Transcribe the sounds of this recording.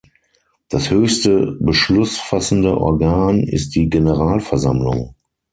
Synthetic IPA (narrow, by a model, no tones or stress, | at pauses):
d̥ashøːçstəbəʃlʊsfasn̩dəʔɔ̰ɐɡaːnɪ̰st̚d̥iːɡenəʁaːlfɛɐzamlʊ̰ŋ